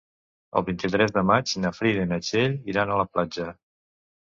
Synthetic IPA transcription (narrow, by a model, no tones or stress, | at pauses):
ə̰lˠβint̪it̪ɾɛzðəmad͡ʒinəfɾiðinət͡ʃeʎiɾanələplad͡ʒə